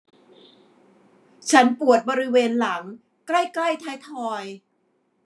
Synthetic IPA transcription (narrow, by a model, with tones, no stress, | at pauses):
t͡ɕʰa˦˥npu˨˩ət̪̚bɔː˧ɾi˦˥weː˧nla˩˦ŋ | kla˥˩jkla˥˩jt̪ʰaː˦˥jt̪ʰɔː˧j